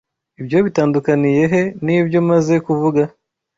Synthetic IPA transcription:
ibjo̞βitaːndukanije̞ɦe̞nibjo̞maze̞kuvuɡa

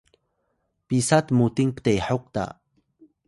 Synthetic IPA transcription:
pisat̪mut̪iŋpt̪ajħoq̚t̪a̰

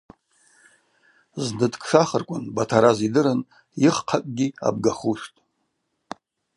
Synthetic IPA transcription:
znɨtʰʼkʰʼʂaχərkʷʼʊnbatʰaɾazidɨɾɨn | jiχqʰakʼɡʲia̰b̚ɡaχuʂtʼ

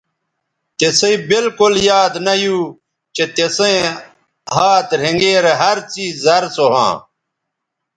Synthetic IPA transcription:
t̪eseibilkuljaːd̪nɐjuː | t͡ɕet̪esẽ | ɦaːt̪ɾẽŋɡeːɾeɦɐɾt͡siːzzɐɾsoɦã̰ː

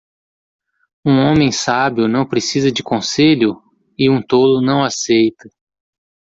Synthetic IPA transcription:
ũõmẽj̃sabjʊnɐ̃w̃pɾesizɐd͡ʒɪkõseʎʊ | ɪũt̪olʊnɐ̃w̃asejt̪ɐ

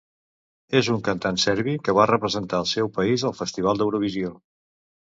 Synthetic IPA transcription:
ezuŋkənt̪ansɛɾβikəβ̞arəpɾəzənt̪aəlˠsɛwpəizəlˠfəst̪iβ̞alˠd̪əwɾuβ̞izio

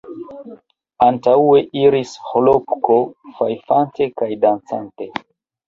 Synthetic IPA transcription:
antaue̞ʔiɾisholopkofajfante̞kajdant͡sante̞

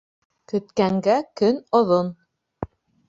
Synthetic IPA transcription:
kɵ̆t̪kæŋɡækɵnŏðon

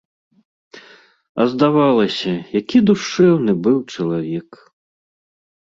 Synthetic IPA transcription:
ɐ̰zd̪avalˠɐsʲɐjakʲid̪uʂɛwnɨbɨwt͡ʂɐlˠavʲɛk

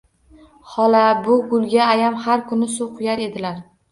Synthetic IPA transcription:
hɒlabʊɡʊlˠɡʲaːjamhaɾkʰʊnɪsʊwqʰʊjaɾe̞d̪ɪlaɾ

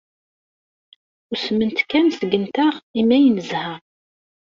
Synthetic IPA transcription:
ʊsəmənt̪kːænsəɡənt̪aʁimæjənəzhæ

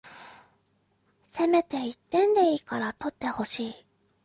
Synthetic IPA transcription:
se̞me̞t̪e̞it̪ːẽ̞nd̪e̞iːkaɾat̪o̞t̪ːe̞ho̞ɕiː

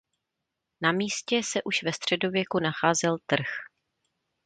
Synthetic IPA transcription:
namiːscɛsɛʔuʃvɛst̪r̝̥ɛdo̞vjɛkunaxaːzɛlt̪r̩x

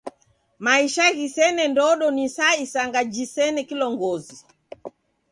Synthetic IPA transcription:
maiʃaɣisɛnɛndɔɗɔnisaisaŋɡad͡ʒisɛnɛkilɔŋɡɔzi

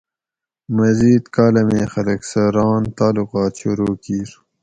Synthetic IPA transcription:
mɐziːd̪kaːlɐmẽːxɐlɐksɐɾɑːnt̪aːluqɑːt̪ɕuɾuːkiːɾ

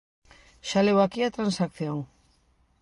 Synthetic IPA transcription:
ʃalewakiat̪ɾansakθjoŋ

